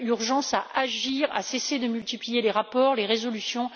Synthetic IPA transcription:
yʁʒɑ̃saʔaʒiːʁa̰sesed̪əmylt̪iplijeleʁapɔːʁleʁezɔlysjɔ̃

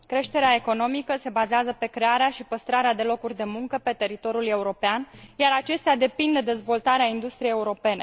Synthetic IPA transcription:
kɾe̞ʃt̪e̞ɾeae̞ko̞no̞mikəse̞bazeazəpe̞kɾe̞aɾeaʃipəst̪ɾaɾead̪e̞lo̞kurʲd̪e̞muŋkəpe̞t̪e̞ɾit̪o̞ɾjule̞uɾo̞peanjaɾat͡ʃe̞st̪ead̪e̞pind̪e̞d̪e̞zvo̞lt̪aɾeaind̪ust̪ɾijejeuɾo̞pe̞ne̞̰

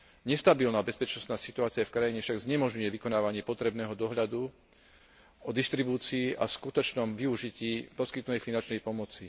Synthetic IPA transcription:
ɲɛst̪abilnaːbɛspɛt͡ʃnɔst̪naːsit̪uaːt͡siafkɾajiɲɛfʃaɡzɲɛmɔʒɲujɛʋikɔnaːʋaɲɪɛpɔt̪ɾɛbnɛːɦɔd̪ɔɦʎad̪u | ɔd̪ist̪ɾibuːt͡siːʔaskut̪ɔt͡ʃnɔmʋiuʒiciːpɔskit̪nut̪ɛjfinant͡ʃnɛjpɔmɔt͡si

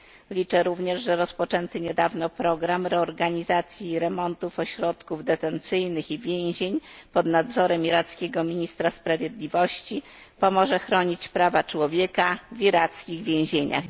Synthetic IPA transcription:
lʲit͡ʂɛɾuvɲɛʐʐɛɾɔspɔt͡ʂɛnt̪ɘɲɛd̪avnɔpɾɔɡɾamɾɛɔɾɡaɲizat̪sʲjiɾɛmɔnt̪ufɔɕɾɔt̪kuvd̪ɛt̪ɛnt̪sɘjnɘxivʲjẽw̃ʑeɲpɔd̪nad̪zɔɾɛmiɾat̪skʲeɡɔmʲiɲist̪ɾaspɾavʲjed̪lʲivɔɕt͡ɕi | pɔmɔʐɛxɾɔɲit͡ɕpɾavat͡ʂwɔvʲjekavʲiɾat̪skʲiɣvʲjẽw̃ʑeɲa̰x

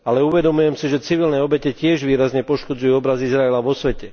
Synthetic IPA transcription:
alɛuʋɛd̪ɔmujɛmsiʒɛt͡siʋilnɛɔbɛcɛcɪɛʒʋiːɾazɲɛpɔʃkɔd͡zujuɔbɾazizɾaɛlaʋɔsʋɛcɛ

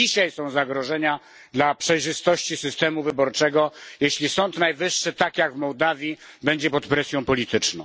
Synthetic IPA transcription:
iɕajsɔ̃w̃zaɡɾɔʐɛɲa | d̪lapʂɛjʐɘst̪ɔɕt͡ɕisɘst̪ɛmuvɘbɔɾt͡ʂɛɡɔjeɕlʲisɔnt̪najvɘʂːɘt̪akjaɡvmɔwd̪avʲjibɛɲd͡ʑɛpɔt̪pɾɛsʲjɔ̃w̃pɔlʲit̪ɘt͡ʂnɔ̃w̃

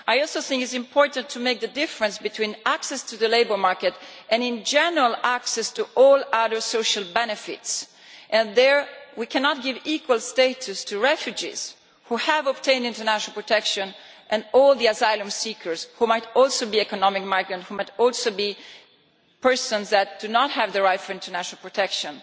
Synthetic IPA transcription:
ajɔlsoʊθɪ̃ŋkɪtsɪ̃mpʰɔɹtə̃ntʰumeɪk̚d̪ədɪfəɹə̃nsbɨtʰwĩnæksɛstuðəleɪbə˞maɹkɛtʔɛ̃nɪ̃nd͡ʒɛnəɹalæksɛstuʔɔlaðə˞soʊʃalˠbɛnɨfɪ̰ts | ʔɛ̃nðəɹwikʰɛ̃nɑt̚ɡɪvikʰwəlˠsteɪtʰustʰuɹɛfjʉd͡ʒḭz̥ | huhævɔb̚tʰẽɪ̃ndɪ̃ntəɹnæʃnalpɹɔtɛkʃə̃n | ʔɛ̃nɔlˠd̪iazajlə̃msikʰə˞zhumajtɔlˠsobiɛkɔnɔmɪk̚maɪɡɹə̃nthumajtɔlˠsobi | pʰɛ˞sɔ̃nzðæt̚d̥unɔt̚hævðəɹaɪfɔɹɪ̃ntʰəɹnæʃnalˠpɹɔtʰɛkʃə̃n

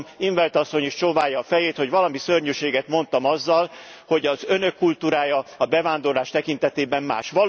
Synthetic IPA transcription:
miɱvɛlt̪ɒsːo̞ɲeʃt͡ʃovaːjɒːfɛjeːt̪ho̞ɟʋɒlɒmisørɲøʃeːɡɛt̪mo̞nt̪ɒmɒzːɒlho̞ɟɒzø̞nø̞kːult̪uːɾaːjɒɒbɛvaːnd̪o̞rlaːʃt̪ɛkint̪ɛt̪eːbɛmma̰ːʃʋɒl

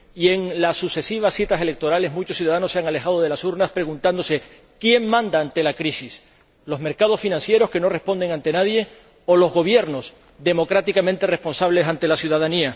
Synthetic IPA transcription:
ie̞ŋlasːuse̞siβ̞asːit̪ase̞le̞k̚t̪o̞ɾale̞zmũt͡ʃosjuðaðano̞sːeaŋale̞xaðo̞ðe̞lasuɾnaspɾe̞ɣunt̪and̪o̞se̞ | kje̞ŋmãnd̪aːnt̪e̞lakɾisis | lo̞zme̞ɾkað̞o̞sfinãnsje̞ɾo̞ske̞no̞respo̞nd̪e̞ŋãnt̪e̞naðje̞ | olo̞zɣo̞βje̞ɾno̞s | d̪e̞mo̞kɾat̪ikamẽnt̪e̞re̞spo̞nsaβle̞sant̪e̞lasjuðaðania

